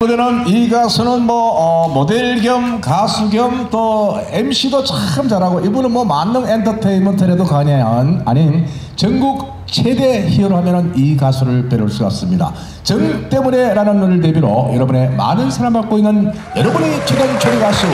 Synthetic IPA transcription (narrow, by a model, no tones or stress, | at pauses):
ɯnenɯniɡasʰunɯnmwʌʌmodeɭɡjʌmkasʰuɡjʌmto | emɕ͈ʰidot͡ɕaɯmt͡ɕaɾaɡoʔibunɯnmwʌmanːɯŋentʰʌtʰeimɯntʰeɾedokaɲanaɲin | t͡ɕʌŋɡuk̚ | t͡ɕʰe̞de̞çiɯɾohamjʌnɯnikasʰuɾɯɭpeɾuɭs͈uk͈a̰s͈ɯmɲida̰ | t͡ɕɯŋt͈e̞mune̞ɾanɯnɯɾɯɭtebiɾojʌɾʌbune̞ma̰nɯnsʰaɾamak͈oinːɯn | jʌɾʌbɯnit͡ɕʰedent͡ɕʰoɾiɡas͈ʰu